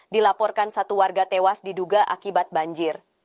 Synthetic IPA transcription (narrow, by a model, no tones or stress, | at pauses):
dilapɔrkansat̪uwarɡat̪ewasdiduɡaʔa̰kibat̪̚baɲd͡ʒɪr